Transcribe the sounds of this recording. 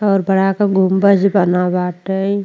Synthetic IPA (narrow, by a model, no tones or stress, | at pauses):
ɔːɾbəɽ̤akaɡʱʊmbəd͡ʒbənabaːʈəi